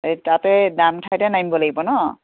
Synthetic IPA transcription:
tatɛdamtʰajtɛnambɔlaɡibɔnɔ

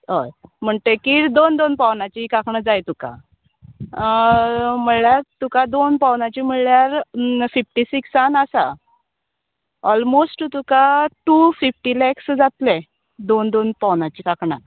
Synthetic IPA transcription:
ɦojm̤əɳt̪ekiɾd̪ond̪onpawnat͡ɕikakɳəd͡zajt̪uka̰ | m̤əɭɭjaɾt̪ukad̪onpawnat͡ɕim̤əɭɭjaɾfifʈisiksanasa̰ | ɔlmosʈt̪ukaʈufifʈilɛksd͡zat̪le | d̪ond̪onpawnat͡ɕikakɳa̰t̪

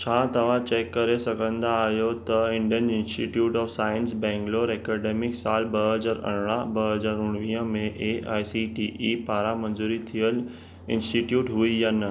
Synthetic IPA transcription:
t͡ɕʰãːt̪ɐʋ̤ãt͡ɕeːkːɐɾesɐɡʱə̃nd̪aːɦjot̪ɐɪ̃ɳɖijənɪ̃nsʈiʈjuːʈɔːfsaːənsbɛ̃ːŋɡloːɾɛːkɛɖeːmɪksaːlbɐɦɐzaːɾɐ̰ɽ̤̃ɽ̃abɐɦɐzaːɾʊɽ̃ʋĩːə̃mẽʔeaːjsiʈiʔipaːɾamɐ̃nzuːɾit̪ʰijəl | ɪ̃nsʈiʈjuːʈɦuiən̆

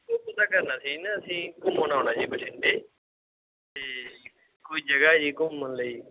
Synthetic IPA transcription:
koːpət̪aːkəɾnaːsiːnəəsĩːkʊmːənaːnaːd͡ʒiːbəʈʰɪɳɖeː | t̪eː | koːiːd͡ʒəɡaːd͡ʒiːkʊmːənləiː

